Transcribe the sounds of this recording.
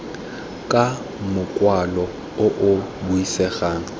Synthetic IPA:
kʼa | mʊkʼwalɔ | ʊʔʊbuisɛχaːŋ̩

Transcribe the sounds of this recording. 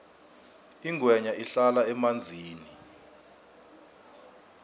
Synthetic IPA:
iŋʱwɛɲaʔiɬalaɛmand͡zʱiːni

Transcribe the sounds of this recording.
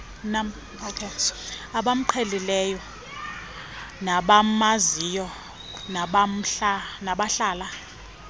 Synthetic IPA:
nam | okʰeaɓam̩ǃʰɛlilɛjɔ | naɓamaziːjɔ | naɓam̩ɬanaɓaɬaːla

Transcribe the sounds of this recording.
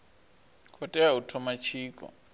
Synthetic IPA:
kʰɔtʼɛautʰɔmat͡ʃʰiːkʼɔ̰

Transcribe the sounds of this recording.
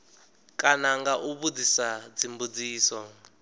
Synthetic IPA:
kʼanaŋɡaʔuβud͡zisad͡zimbud͡ziːsɔ

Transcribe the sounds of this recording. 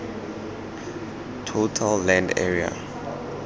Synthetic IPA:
tʰotʰalːɛ̃ndɛ̰ɹia̰

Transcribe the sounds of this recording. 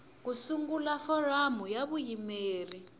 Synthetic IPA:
kusuŋɡulafɔramujaβujimeːri

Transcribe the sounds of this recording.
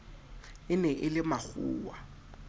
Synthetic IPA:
ɪnɛʔɪlɪmak͡xṵːwa

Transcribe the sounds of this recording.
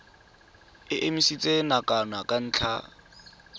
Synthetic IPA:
ɪʔemisit͡sʼenakʼanakʼan̩ːt͡ɬʰa

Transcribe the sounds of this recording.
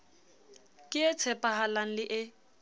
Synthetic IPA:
kʼɪɛt͡sʰɛpʼaɦalaŋ̩lɪʔɪ

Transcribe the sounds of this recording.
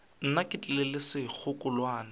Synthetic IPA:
n̩nakʼɪtʼɛlɛlɪsɪk͡xʰʊkʼʊlwaːnɪ

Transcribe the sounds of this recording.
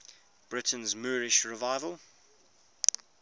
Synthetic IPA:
b̥ɹɪtə̃nzməːɹɪʃɹɪvaɪvəlˠ

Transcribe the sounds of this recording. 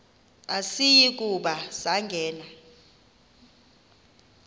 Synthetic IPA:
asijik̬ʼuɓasaŋɡʱɛːna

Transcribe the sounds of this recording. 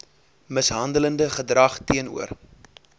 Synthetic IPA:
məsɦɐndələndəχədrɐχtiənṵər

